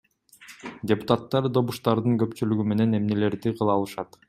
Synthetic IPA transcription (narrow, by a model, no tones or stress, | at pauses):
dʲepʊ̥t̪at̪ːɑɾd̪o̞βuʃt̪ɑɾd̪ɯŋkø̞pt͡ʃylyɡyme̞ne̞ne̞mne̞le̞ɾd̪iqʰɯlˠɑːlˠɯʃɑt̪